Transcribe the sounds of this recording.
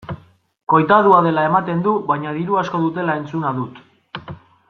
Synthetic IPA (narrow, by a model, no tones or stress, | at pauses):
ko̞jt̪aðuaðe̞lae̞mat̪e̞nd̪uβajɲaðiɾuasko̞ðut̪e̞laent͡sunaðut̪